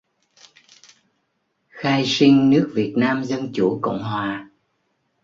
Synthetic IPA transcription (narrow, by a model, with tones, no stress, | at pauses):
xaː˧jsi˧ŋnɨ˦˥ək̚vi˨˩ət̚naː˧mzə˧nt͡ɕṵ˧˩kə̰˧˨wŋ͡mɦwaː˨˩